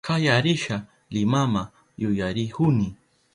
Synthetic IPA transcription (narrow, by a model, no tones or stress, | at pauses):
kajaɾɪʃa | lɪmama | jʊjaɾɪhʊnɪ